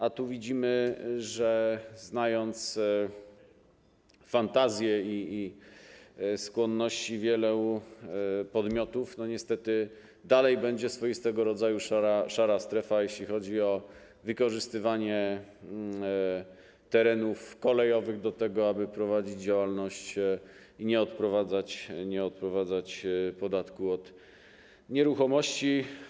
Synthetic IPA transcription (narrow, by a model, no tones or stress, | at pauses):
ʔat̪uvʲid͡ʑimɘʐɛznajɔnt̪s | fant̪azʲjɛiː | skwɔnːɔɕt͡ɕivʲjɛlɛu | pɔd̪mʲjɔt̪ufnɔɲɛst̪ɛt̪ɘ | d̪alɛjbɛɲd͡ʑɛsfɔjist̪ɛɡɔɾɔd̪zajuʂaɾaʂaɾast̪ɾɛfajeɕlʲixɔd͡ʑiɔ | vɘkɔʐɘst̪ɘvaɲɛ | t̪ɛɾɛnufkɔlɛjɔvɘɣd̪ɔt̪ɛɡɔabɘpɾɔvad͡ʑid͡ʑd͡ʑawalnɔɕt͡ɕ | iɲɛɔt̪pɾɔvad̪zat͡ɕɲɛɔt̪̚pɾɔvad̪zat͡ɕpɔd̪at̪kuɔt̪ | ɲɛɾuxɔmɔɕt͡ɕi